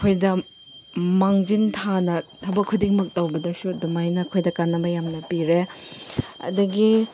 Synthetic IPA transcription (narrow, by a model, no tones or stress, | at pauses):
kʰojdɐ | maŋd͡ʒintʰanɐtʰɐwbɐkʰːudiŋmɐk̚tɐwbɐdɐsudumajnɐkʰojdɐkanːɐmɐjamnɐpiɾe | ɐ̰dɐɡi